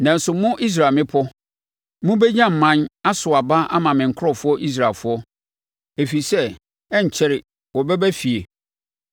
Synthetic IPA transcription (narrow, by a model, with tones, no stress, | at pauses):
nã˨n̩˨sʊ˨mʊ̃˦ʔi˦s̬ɾa˨mɪ̃˦pʰɔ˦ | mʊ̃˦bɛ˦ɲã˦m̩˨mã˦na˦sʊ˨a˨ba˦ʔa˦mã˨mɪ̃˨ŋ̩˨kʰɔ˨fʊ˦ɔ˦ʔi˦s̬ɾa˨fʊ˦ɔ˦ | e˨fi˨sɛ˦ | ɛ˦ɲ̩˨t͡ɕʰɛ˦ɾɪ˨ | wɔ˨bɛ˦bæ˦fi˨e˨